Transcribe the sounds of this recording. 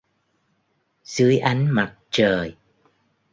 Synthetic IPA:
z̥ɨ˨˦əjʔa˨˦jŋ̟ma˨˩t̚t͡ɕəː˨˩j

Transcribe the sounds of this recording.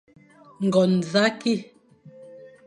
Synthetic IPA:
ŋ̩˨ɡɔ˨n̩˨za˦ki˦˨

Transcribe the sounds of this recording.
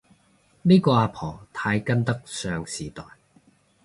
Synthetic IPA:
niː˥kɔː˧aː˧pʰɔː˨˩t̪ʰaː˨˧jkɐ˥nt̪ɐ˥k̚sœː˧ŋsiː˨˩t̪ɔː˨˩j

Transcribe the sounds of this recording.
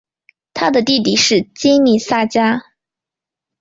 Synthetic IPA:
t̪ʰa˥d̪ə˨t̪i˥˧t̪i˥˩ʂɻ̩˥˩t͡ɕi˥ni˨˩sa˥˩t͡ɕja˥

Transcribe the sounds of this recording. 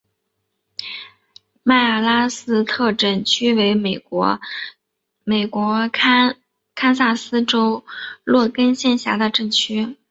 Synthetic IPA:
ma˥˩ɪa˥˩la˥sɹ̩˥t̪ʰɤ˥˧ʈ͡ʂə˥˩nt͡ɕʰy˥we˧˥ɪme˩ɔ˧˥ | me˨˩ɪkwɔ˧˥ | kʰa˥ns̬a˥˩sɹ̩˥ʈ͡ʂo˥ʊlwɔ˥˩kə˥nɕjɛ˥˩nɕja˧˥d̪ə˧ʈ͡ʂə˥˩ŋt͡ɕʰy˥

